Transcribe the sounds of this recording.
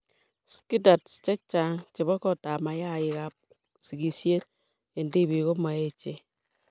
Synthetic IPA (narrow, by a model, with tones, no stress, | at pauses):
ski˦da˨tst͡ʃɛ˦t͡ʃa˨ŋt͡ʃɪ˨βɔ˦kɔ˦˨ta˨ma˨ja˦˨ɪ˨ka˨p̚ | si˨ɡi˨sje˦t | e˨ndi˦bi˨ɣo˦ma˨e˦t͡ʃe˨